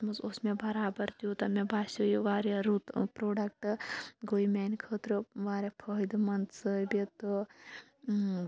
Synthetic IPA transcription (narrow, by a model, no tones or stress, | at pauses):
mɐsosmebɐɾaːbɐɾt̪ijut̪ɐmebaːsujuʋaːɾeɾut̪pɾoːɖɐk̚ʈɨɡoːjmɛːnʲkʰəːt̪ɾɨʋaːɾepʰəːjd̪mɐnt̪səbit̪ɨ